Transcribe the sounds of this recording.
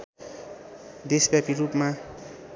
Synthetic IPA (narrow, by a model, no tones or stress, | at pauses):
d̪esbjapiɾupma